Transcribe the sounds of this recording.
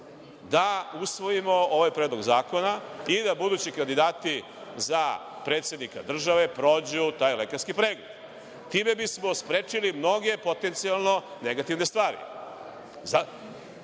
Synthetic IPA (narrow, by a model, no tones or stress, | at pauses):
d̪ausʋo̞jimo̞o̞ʋajpɾed̪lo̞ɡzaːko̞naid̪abud̪uːt͡ɕikand̪id̪aːt̪i | za | pɾe̞t̪sje̞d̪nika̰d̪r̩ʒaʋe̞pɾoːd͡ʑut̪aːjle̞kaɾskipɾe̞ːɡled̪̥ | t̪iːme̞bismo̞spɾeːt͡ʂilimno̞ɡe̞po̞t̪e̞nt̪sialˠno̞ne̞ɡat̪iʋne̞st̪ʋaːɾḭ | za